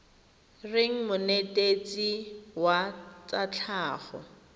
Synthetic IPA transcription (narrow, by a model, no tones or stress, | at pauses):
rɪŋ̩mʊnetʼet͡sʼiwat͡sʼat͡ɬʰaːχɔ̰